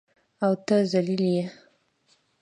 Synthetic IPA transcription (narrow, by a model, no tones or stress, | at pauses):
awt̪əzalilje